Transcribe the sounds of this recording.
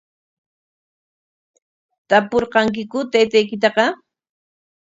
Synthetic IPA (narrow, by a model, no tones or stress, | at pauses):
t̪apoɾqɑŋk̬ɪkʊt̪ajt̪ajkɪt̪̬ɑqɑ